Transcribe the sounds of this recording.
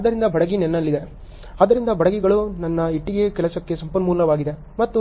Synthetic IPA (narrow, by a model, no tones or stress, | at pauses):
ɐd̪ɐɾind̪ɐbɐɽɐɡinɛnːɐlːid̪e̞ | ɐd̪ɐɾind̪ɐbɐɽɐɡiɡɐɭunɐnːɐiʈːiɡe̞kɛlɐsɐkːe̞sɐmpɐnmuːllɐʋaːɡid̪e | mɐt̪ːu